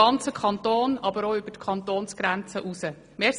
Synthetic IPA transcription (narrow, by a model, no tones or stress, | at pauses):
ɑnt͡səkʰɑnt̪oːnɑbəɾoʏb̥ətkʰɑntoːnsɡ̥ɾænt͡səʔusə | meː